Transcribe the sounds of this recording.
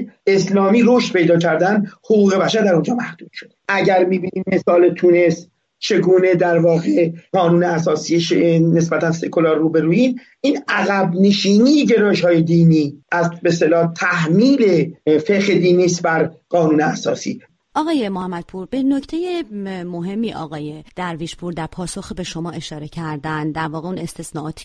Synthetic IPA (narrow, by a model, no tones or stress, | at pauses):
e̞slɒːmiːɾoʃt̪̚pʰe̞jd̪ɒːcʰæɾd̪ænd̪hoɣuːɣe̞bæʃæɾd̪æɾond͡ʒɒːmæhd̪̥uːd̪̥ʃo̞d̪̥eʔæɟæɾmiːbiːniːmme̞sɒːlet̪ʰune̞st̪ | t͡ʃʰe̞ɡuːne̞d̪æɾvɒːɣe̞ɡɒːnuːneæsɒːsiːeʃene̞sbæt̪ʰænse̞kʰolɒːɾːuːbe̞ɾuːiːn | ʔiːnæɣæbne̞ʃiːniːjeɟe̞ɾɒːjeʃhɒːje̞d̪iːniːʔæzbest̪elɒːt̪ʰæhmiːle̞feɣed̪iːniːst̪bæɾɢ̥ɒːnuːneæsɒːsḭː | ʔɒːɣɒːje̞mohæmːæd̪̥̚pʰuɾbeno̞ct̪ʰejemo̞ɦe̞mːiːʔɒ̰ːɣɒːje̞d̪̥æɾviʃpʰuɾd̪æɾpʰɒːso̞xibe̞ʃo̞mɒːʔe̞ʃɒːɾe̞cʰæɾd̪ænd̪æɾvɒːɣeune̞st̪esnɒːʔɒːt̪ʰi̥